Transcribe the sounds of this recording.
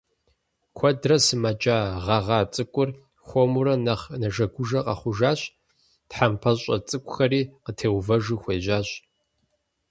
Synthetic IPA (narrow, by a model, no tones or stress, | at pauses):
kʷʰɔdrɐsɨmɐd͡ʒaːʁɐʁɑːt͡sʼɨkʷʼʊr | xʷɔmuɾɐnɐχnɐʒɐɡʷʊʒɐqʼɐ̰χʷʊʒaːɕʼ | tħampʰɐɕʼɐ̰t͡sʼɨkʷʼʊxɐriːqətʰeːwvɐʒɨxʷeːʑaːɕʼ